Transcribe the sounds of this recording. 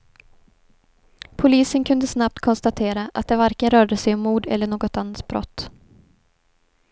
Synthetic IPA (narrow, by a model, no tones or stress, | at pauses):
pʰʊliːsənkʰɵnd̪əsnap̚t̪kʰɔnst̪at̪ʰeːɾaʔa̰t̪̚d̪ɛvaɾkənɾœːɖəsɛjɔmːuːd̪ɛ̰lːəɳoːɡɔt̪anːat̪̚bɾɔ̰t̪ː